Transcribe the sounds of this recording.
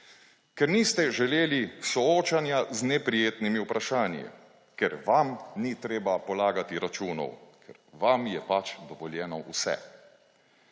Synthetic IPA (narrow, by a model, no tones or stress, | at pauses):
kɛɾnist̪ɛʒɛleːlisɔoːt͡ʃanjaznɛpɾijeːt̪nimiupɾʔaʃaːnjḭ | kɛɾʋamnit̪ɾeːbapɔlaːɡat̪iɾat͡ʃuːnɔ̰wkʰɛɾʋamjɛpat͡ʃd̪ɔʋɔljɛːnɔʔṵsɛ̰